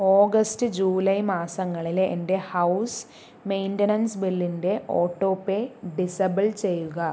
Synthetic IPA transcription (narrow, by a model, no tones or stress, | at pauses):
oːɡɐstɨd͡ʑuːlɐjmaːsɐŋːɐɭilḛnde̞hɐws | mejntɐnɐnsbilːinde̞ʔoːʈːo̞ːpːeɖisɐbɐlt͡ɕe̞jːuɣɐ